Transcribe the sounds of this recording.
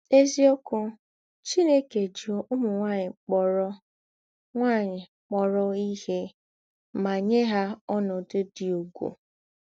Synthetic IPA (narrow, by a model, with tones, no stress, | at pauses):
e˦zi˦ɔ˦kʊ˦ | t͡ʃi˦ne˦ke˨d͡ʒi˨o˦ʔʊ˦mʊ˨ŋʷa˦˨ɲɪ˨k͡pɔ˨ɾɔ˦ | ŋʷa˦˨ɲɪ˨ | k͡pɔ˦ɾɔ˦i˦he˦ | ma˨ɲe˦ɦa˦ɔ˦nɔ˨dɪ˦dɪ˨o˨ɡʷo̰˨